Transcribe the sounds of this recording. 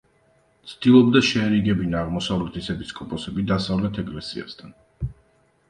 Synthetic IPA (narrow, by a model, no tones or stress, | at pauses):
t̪sʰd̪̥ilˠɔbd̪aʃɛːɾiɡɛbinaːʁmɔsavlɛt̪ʰisɛbiskʼɔpʼɔsɛbid̪asavlɛt̪ʰɛkʼlɛsia̰st̪ʰan